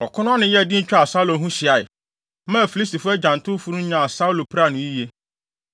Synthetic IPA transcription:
ɔ˨kʰʊ˦nʊ̃˦nɪ̃˨jɛ˦˨dĩ˦n̩˦t͡ɕᶣa˨sa˦u˦lõ˨˦ɦũ˦ɕɪ˨a˨ɪ˨˦ | mã˦˨fi˨li˦sti˨fʊ˦ɛ˦d͡ʑã˨n˨tʰʊ̃˦fu˦nʊ̃˦ã˨a˨sa˦u˦lo˨pʰɾa˦˨nʊ̃˨i˦je˦

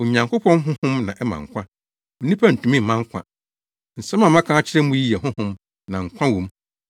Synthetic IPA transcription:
o˨ɲã˨ŋkʊ˦pʰɔ̃˦nɦʊ̃˦hʊ̃˦mnã̰˨ʔɛ˦mã̰˨ŋ̩˨kʷã˦ | o˨nĩ˦pʰa˦n̩˨tũ˨mĩ˦m̩˨mã˦ŋ˦kʷʰã̰˨ | n̩˨sã˦mã˨mã˦kʰã˦a˦t͡ɕʰɪ˦ɾɛ˦mũ˦ji˦jɛ˨ɦʊ̃˦hʊ̃˦m | nã˨ŋ̩˨kʷʰã˦wõ˨m

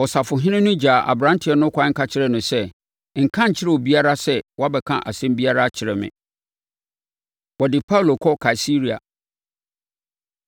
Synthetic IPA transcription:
ɔ˨sa˨fʊ˨ɦɪ̃˦nɪ̃˦nʊ̃˦d͡ʑaː˨ʔa̰˨bɾã˦ntʰɪ˨˦ɛ˦nʊ̃˦kʰʷa˦ŋ̩˦ka˦t͡ɕʰɪ˦ɾɛ˦˨nʊ̃˨sɛ˦ | ŋ̩˨kʰã˦ɲ̩˨t͡ɕʰɪ˦ɾɛ˦˨ɔ˨bi˦a˦ɾa˦sɛ˦˨wɔ˦a˦bɛ˨kʰã̰˦ʔa̰˨sɛ̃˦mbi˦a˦ɾa˦t͡ɕʰɪ˨ɾɛ˨mɪ̰̃˨ | wɔ˨dɪ˨pʰa˦˨lo˨kʰɔ˦kʰa˨si˦ɾi˨a̰˨

